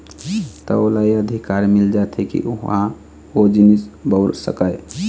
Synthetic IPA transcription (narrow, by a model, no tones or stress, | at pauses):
t̪ɔ̰olajəd̪ʱikaɾmild͡ʒat̪ʰɛkḭʔuɦã | od͡ʒinisbəʊɾsə̰kəj